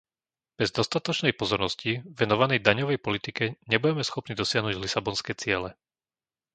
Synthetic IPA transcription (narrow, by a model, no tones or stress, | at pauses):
b̥ɛzd̪ɔst̪at̪ɔt͡ʃnɛjpɔzɔɾnɔsciʋɛnɔʋanɛjd̪aɲɔʋɛjpɔlit̪ikɛɲɛbuɟɛmɛsxɔpnid̪ɔsɪaɦnuːɟlisabɔnskɛːt͡sɪɛlɛ